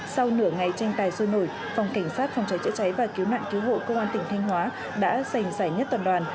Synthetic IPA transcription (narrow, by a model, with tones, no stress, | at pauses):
sa˧wnɨ˧˩əŋa˨˩jt͡ɕɛ˧ŋt̪aː˨˩jsə˧no̰˧˩j | fɔ˨˩wŋ͡mka˧˩jŋ̟saː˦˥t̚fɔ˨˩wŋ͡mt͡ɕa˨˦jt͡ɕə̰˧˥t͡ɕa˨˦jvaː˨˩ki˨˦əwna̰ː˧˨ŋki˨˦wɦo̰˧˨kə˧wŋ͡mʔaː˧nt̪ï˨˩ŋ̟t̪ʰa˧jŋ̟ɦwaː˨˦ | ɗa̰ː˧˥za˨˩jŋ̟zaː˧˩jɲə˦˥t̚t̪waː˨˩nɗwaː˨˩n